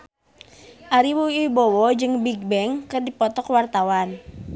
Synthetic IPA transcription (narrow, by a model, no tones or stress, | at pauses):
ʔaɾiwuibɔwɔd͡ʒɨŋbiɡ̚bɛŋkərdipɔt̪ɔkwart̪awan